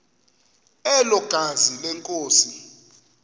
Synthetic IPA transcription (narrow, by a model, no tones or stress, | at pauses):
ɛlɔɡ̥ʱazilɛŋkʼoːsi